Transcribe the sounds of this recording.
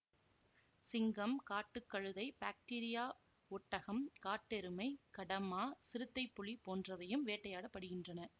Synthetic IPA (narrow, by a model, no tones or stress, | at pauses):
sɪŋɡɐmkaːʈːɯkːɐɻɯðɐɪbaːk̚ʈiːɾɪjaː | ɔʈːɐɣɐmkaːʈːɛɾɯmɐɪkɐɽɐmaːsɪɾɯt̪ːɐɪpːʊɭipːoːndrɐʋɐjɯmʋeːʈːɐjaːɽɐpːɐɽɯɣɪndrɐnɐ